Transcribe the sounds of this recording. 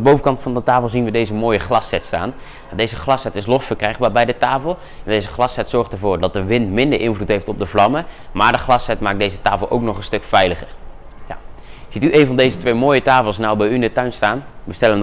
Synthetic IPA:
andəbowvəkɑntfɑndətaːflˠzinʋədejzəmoːjəχlɑsɛtsta̰ːn | adejzəχlɑsɛtɪslɔsfəɹkrɛjχbaːbɛjdətaːfəlˠ | ɛndejzəχlɑsɛtsɔɹχtəɹvʊːɹdɑt̚dəʋɪntmɪndəɹʔɪnvlutɦejftɔb̚dəvlɑməmaːɹdəχlɑsɛtmaːk̚dejzətaːfəlˠʔo̰wknɔχənstɵkfɛjləχər | jaz̥ityʔejnvɑndejzətʋejmoːjətaːfəlˠsnawbɛjyɪndətœɥnstaːnbəstɛləən

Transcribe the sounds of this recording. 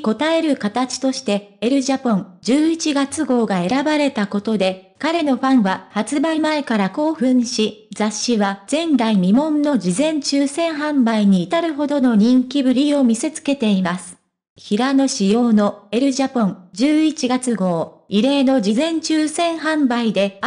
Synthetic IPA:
ko̞t̪ae̞ɾɯ̟kat̪at͡ɕi̥t̪o̞ɕi̥t̪e̞eɾɯ̟ʑapõnd͡ʑɨːit͡ɕiɡat͡sɨɡo̞ːɡae̞ɾabaɾe̞t̪ako̞t̪o̞d̪e̞kaɾe̞no̞ɸãɰ̃βahat͡sɨbaimaekaɾako̞ːɸɯ̟̃ɰ̃ɕid͡zaɕːiβad͡z̥ẽ̞nd̪aimʲimõ̞nːo̞d͡ʑizẽ̞ɲt͡ɕɨːsẽ̞ɰ̃ɦãmbaiɲ̟iːt̪aɾɯ̟ɦo̞d̪o̞no̞ɲ̟ĩŋkʲibɯ̟ɾʲio̞mʲise̞t͡sɨ̥ke̞t̪e̞imasɨ̥ | çiɾano̞ɕijo̞ːno̞e̞ɾɯ̟ʑapõŋd͡ʑɨːit͡ɕiɡat͡sɨɡo̞ːiɾe̞ːno̞d͡ʑizẽ̞ɲt͡ɕɨːsẽ̞ɰ̃ɦãmbaid̪e̞

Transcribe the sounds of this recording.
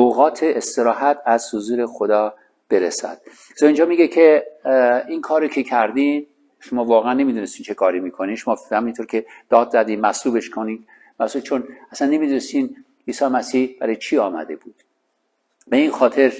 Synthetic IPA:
oɣɒːt̪ʰeest̪e̞ɾɒːhæt̪ʰæz̥hozuːɾe̞xod̪ɒː | b̥e̞ɾesæ̰d̪̥̚ | zɒind͡ʒɒːmiːɡecʰe | inkʰɒːɾocʰe̞kʰæɾd̪im | ʃomɒːvɒːɣeænːe̞miːd̪unest̪iːnt͡ʃʰe̞kʰɒːɾimiːkʰoniːnʃomɒːhæmint̪ʰoɾcʰe̞d̪̥ɒːd̪zæd̪immæsluːbe̞ʃkʰoni | mæsubt͡ʃʰonæsænːe̞miːd̪unest̪in | iːsɒːjmæsihb̥æ̰ɾɒjet͡ʃʰiːɒːmæ̰d̪e̞buːd̪̥ | be̞inxɒːt̪ʰe̞ɾ

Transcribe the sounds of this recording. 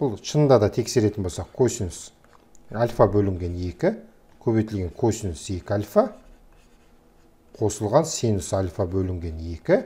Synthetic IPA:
b̥ʊlˠʃənd̪ɑd̪ɑt̪ʰe̞kse̞ɾe̞t̪ɪnbolsɑqkʲʰosns | alʲfabɵlɪŋɡʲe̞ne̞kʲɪ | kʲʰɵβejt̪ɪlɡʲe̞ŋkʲʰɵsɪnɪse̞kʲɪalʲfa | qʰo̞səlˠʁɑnsenɪsalʲfabɵlɪŋɡʲe̞ne̞kʲɪ

